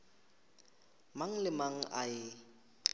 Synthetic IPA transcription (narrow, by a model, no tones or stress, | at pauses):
maŋ̩lɪmaŋ̩ʔaɪ